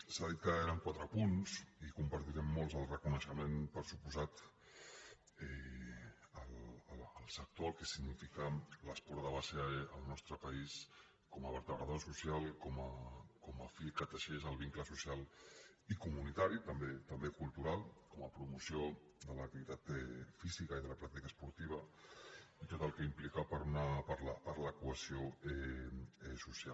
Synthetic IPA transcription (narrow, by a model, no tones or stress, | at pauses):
saðit̪̚kəeɾəŋkwat̪ɾəpunsikumpəɾt̪iɾɛmːolˠzəlˠrəkunəʃəmenpəɾsupuzat̪ | ɛ | ələləlˠsək̚t̪oəlˠkɛsiɡnifikələspɔɾðəβaseːlˠnɔst̪ɾəpəis | kɔməβəɾt̪əβɾə̰ðosusjalˠkɔməkɔməfikət̪əʃezəlˠβiŋkləsusjal | ikumunit̪aɾit̪əmbet̪əmbekulˠt̪uɾalˠkɔməpɾumusjo | d̪ələk̚t̪iβit̪at̪ɛfizikaiðələpɾak̚t̪ikəspuɾt̪iβ̞ə | it̪ot̪əlˠkəimplikapəɾunapaɾlapaɾləkuəsioɛɛsusjal